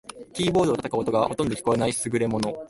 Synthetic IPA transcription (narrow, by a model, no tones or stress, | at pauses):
kʲiːbo̞ːd̪oːt̪at̪akaot̪o̞ɡaho̞t̪ond̪o̞kʲi̥koenaisɨɡɯ̟ɾe̞mo̞no̞